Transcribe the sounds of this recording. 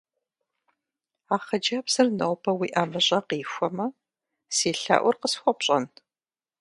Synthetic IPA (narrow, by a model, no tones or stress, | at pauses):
aːχɐd͡ʒapsɨrnɐwpʰɐwiːʔaːmɨɕʼɐqiːxʷɔmɐ | siːɬa̰ʔʷʊrqəsxʷɔpɕʼɐ̰n